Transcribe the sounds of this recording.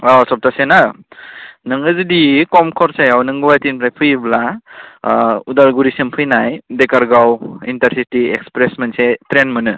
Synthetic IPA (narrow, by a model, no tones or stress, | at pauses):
ɔsɔp̚tasena | nɯŋɯzɯdikɔmkʰɔɾsajawnɯŋɡuwajtinpʰlajpʰɯjbla | udaɾɡuɾisempʰɯjnajdekaɾɡawḭntaɾsitiekspɾesmensetɾenmɯnɯ